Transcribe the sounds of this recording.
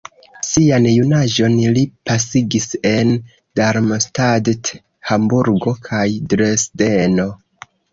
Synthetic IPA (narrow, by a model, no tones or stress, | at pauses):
sianjunaʒo̞nlipasiɡise̞n | d̥aɾmstadt | hambuɾɡo̞kʰajdɾesdeno̞